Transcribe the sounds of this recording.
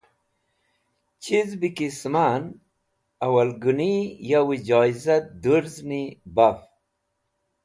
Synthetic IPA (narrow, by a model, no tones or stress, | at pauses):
t͡ɕʰizbikisman | ɐwalɡunijawid͡ʑɑːizat̪̚d̪uɾznibaf